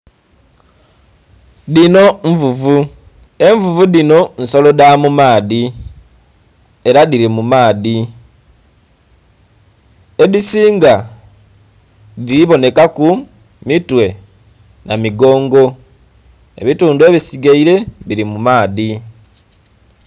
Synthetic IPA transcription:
ðino̞ɱvuvu | e̞ɱvuvuðino̞n̩so̞lo̞damumaːði | e̞ɾaðiɾimumaːði | e̞ðisiːŋɡa | diβo̞ne̞kaku | mitwe̞ | namiɡo̞ːŋɡo̞ | e̞̰βituːndue̞βisiɡeiɾe̞βiɾimumaːði

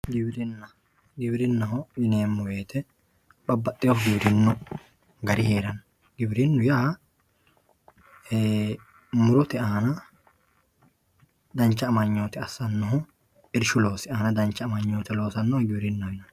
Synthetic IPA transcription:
ɡɪbɪɾɪnːɐ | ɡɪbɪɾɪnːɐɦɔjɪneːmːʊweːt̪ʰɛ | bɐbːɐt̪ʼːɪjɔhɡɪbɪɾɪnːʊ | ɡɐɾɪheːɾɐn | ɡɪbɾɪnːʊjaː | mʊɾʊt̪ɛɐnɐ | d̪ɐnt͡ʃːɐːmɐɲːoːt̪ɛɐsːɐnːɔɦɔ | ɪɾʃʊlo̞ːsɪɐnɐd̪ɐnt͡ʃːɐːmɐɲːoːt̪ɛlo̞ːsɐnːɔhɡɪbɪɾɪnːɐɪnɐn

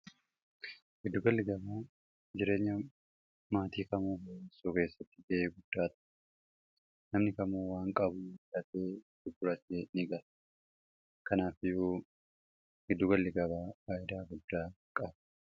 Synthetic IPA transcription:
ʔɪd̪ːʊɡɐlːɪɡɐbaː | d͡ʒɪɾe̞ːɲːɐ | maːt̪iːkɐmuːbɐjesuːke̞ːsːɐt̪ːɪ̥ɡeʔeːɡʊd̪̥ːaːt̪ɐ̥ | nɐmnɪkɐmuːwaːŋkʼɐbʊlɐt̪eː | d̪̥ʊbʊɾɐt̪eːnɪɡɐl | kɐnaːfɪjuː | ɡɪd̪ːʊɡɐlːɪɡɐbaːwaːʔɪd̪aːɡʊd̪ːaː | kʼɐb

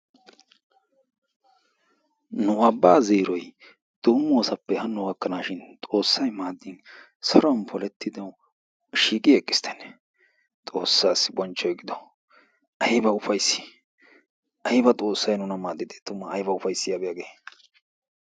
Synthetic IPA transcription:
nʊɐbːaːzeːɾɔj | d̪̥oːmːoːsɐpːɛhɐnːɔɡɐkːɐnaːʃɪnt̪ʼo̞ːsːɐjmaːd̪ːɪn | sɔɾɔnpʰɔlɛt̪ːɪd̪ɐw | ʃiːkʼɪɛkʼːɪ̥st̪ʰɛ̥nːɛ | t̪ʼo̞ːsːaːsɪbɔnt͡ʃːɔjɛɡɪd̪ɔ | ʔɐjbɐʊfɐjsɪ̥ | ʔɐjbɐt̪ʼo̞ːsːɐjnʊnɐmaːd̪ːɪd̪et̪ʊmːɐːjbɐʊfɐjsːɪjaːbɛjaɡeː

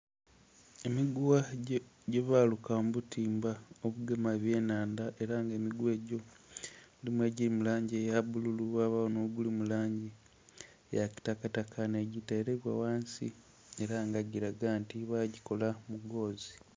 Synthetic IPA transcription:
emiɡuwaɟeβaːlukambutiːmbaoβuɡemaβje̞ːnaːndaʔe̞ɾaŋɡe̞ːmiɡwe̞ːɟo̞ | limwe̞ːɟiɾimulaːɲɟejaβbululuβaβawonoɡulimulaːɲɟi | jaki̥takatakʰaneɟitaeɾeβwa̰waːnsḭ | e̞ɾaŋɡaɟiɾaɡantiβaɟiko̞lamuɡo̞ːzi

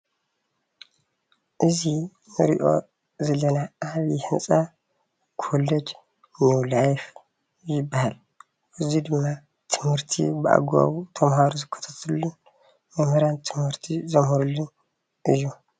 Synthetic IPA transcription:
ʔɨzi | nɨɾḭʔo̞̰ | zɐlɐnaaβihɨnsʼa | kʰoled͡ʒ | niwlajf | jɪbːahal | ʔɨzid̪ɨmːa | t̪ʰɨmhɨɾt̪ʰḭbɨa̰ɡa̰βut̪ʰɐmhaɾuzɨkʰːɐ̥t̪ʰat̪ʰɨlːun | mɐmhɨɾant̪ʰɨmhɨɾt̪ʰizɐmhɨɾulːun | ʔɨjːu

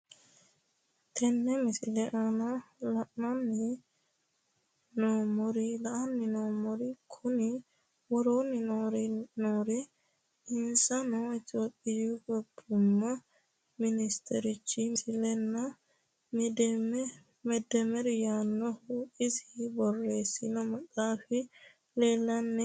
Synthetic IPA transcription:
t̪ʰɛnːɛmɪsɪlɛʔɐnɐlɐʔnɐnːɪ | noːmɔɾɪlɐʔɐnːɪnoːmɔɾɪkʰʊnɪ | wɔɾoːnɪnoɾnoːɾɛ | ɪnsɐnɔɪt̪oːpʼːɪjɔɡɔbʊmːɐ | mɪnɪst̪ʰɛɾɪt͡ʃːɪsɪlɛnːɐ | mɛd̪ːɛmɛɾjaːnːɔhuʔɪsɪbɔrːeːsɪnɔmɐkʼːaːfɪ | leːlːɐnːɛ

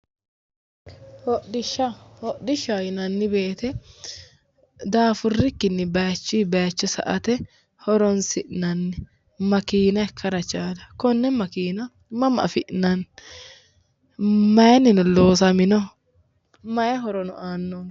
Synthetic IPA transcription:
hɔɗɪʃːɐhɔɗɪʃajɪnɐnːɪbe̞ːt̪ɛ | d̪aːfʊrːɪkːɪnːɪbɐjt͡ʃːibɐjt͡ʃːɔsɐ̰ʔɐt̪ɛ | hɔɾɔnsɪʔnɐnːɪ | mɐkiːnɐɛkʰːɐɾɐt͡ʃaːd̪ɐkɔnːɛmɐkiːnɐ | mɐmʔɐ̰fɪʔnɐn | mɐjɐnɪnʊloːs̬ɐmɪnɔ | mɐjɛɦɔɾɔnʊ̰aːnːɔ

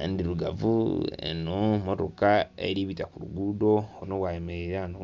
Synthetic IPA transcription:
ndiɾuɡavuḛnomoto̞kaḛɾiβitakuɾuɡudo̞oinoβwajemeɾeɾaano

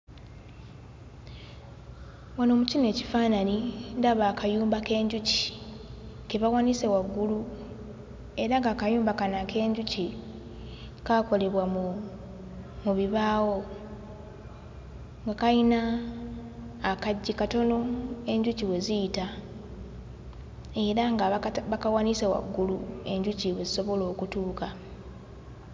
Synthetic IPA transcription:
wano̞ːmucine̞ːcifaːnanindaβaːkajuːmbake̞ːɲɟuci̥ | ke̞βawaːnise̞waɡːulu | e̞ɾaŋɡaːkajuːmbakanake̞ːɲɟuci | kako̞le̞βwa | muβiβaːwo | ŋɡakaina | kaɟːikato̞no̞e̞ɲɟuciwe̞ziita | e̞ɾaŋɡaβakawanisewa̰ɡːulue̞ɲɟuciweziso̞βo̞lo̞ːkutuːka

